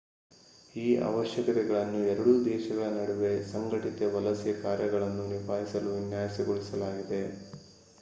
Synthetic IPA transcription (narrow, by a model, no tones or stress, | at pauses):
iːɐ̰ʋɐʃjɐkɐt̪ɛɡɐɭɐnːuɛɾɐɽud̪ɛːʃɐɡɐɭɐnɐɽuʋe̞sɐŋɡɐʈit̪eʋɐlɐsjɐkaːɾjɐɡɐɭɐnːunipaːɦisɐluʋinjaːjɐsiɡoɭisɐlaːɡid̪e̞